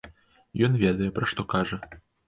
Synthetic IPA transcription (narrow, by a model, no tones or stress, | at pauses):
jɔnvʲɛd̪ɐjɛpɾɐʂt̪ɔkaʐɐ